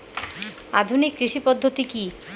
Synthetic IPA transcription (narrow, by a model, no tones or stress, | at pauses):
a̰d̪ʱunikːɾiʃipɔd̪ʱːot̪iki